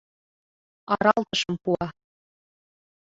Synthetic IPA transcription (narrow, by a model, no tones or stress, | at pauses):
ɑɾɑlˠt̪ɤ̆ʃɤ̆mpuɑ